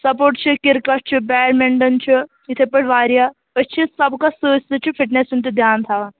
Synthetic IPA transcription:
sɐpoːɾʈt͡ʃʰikɪɾkat͡ʃʰibɛːɽmeɳɖɐnt͡ʃʰi | ɪt̪ʰepɐɽʋaːɾija | ət͡ʃʰisɐbkasust̪it͡ʃʰipʰɪʈnesunt̪ed̪ʱjaːnt̪ʰaːʋa

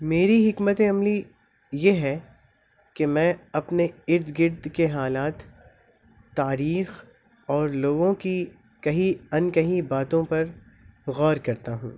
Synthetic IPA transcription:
meːɾiɦɪkmət̪eɐmli | jeɦɛ | kemɛ̃ːɐpneɪɾd̪ɡɪɾd̪keɦaːlaːt̪ː | aːɾiːx | ɔːɾloːɡõki | kɐɦiɐnkɐɦibaːt̪õpɐɾ | ɣɔːɾkɐɾt̪aɦṵ̃ː

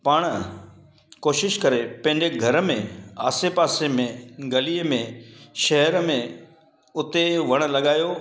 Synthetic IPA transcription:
paːɽ̃ | koːʃɪʃkɐɾepɐ̃ɦɪ̃ɲd͡ʑeɡʱɐɾmẽaːsepaːsemẽɡɐliːəmẽʃɐɦəɾmẽ | ʊt̪eʋɐɽ̃̆lɐɠaːjoː

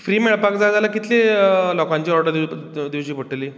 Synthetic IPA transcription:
fɾiːmeɭpakd͡zad͡zalakit̪lelɔkãɲt͡ɕiːɔɾʈd̪id̪iʋɕiːpəʈːeliː

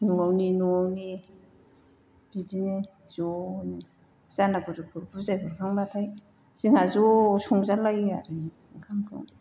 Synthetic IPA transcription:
nuawninuawni | b̥izine | z̥oni | z̥anakʰɯzukʰɯɾbʰuzajbʰɯkʰaŋbatʰaj | z̥iŋazosɔŋzalaja̰ɾɯni | kʰaŋkʰɯ̰w

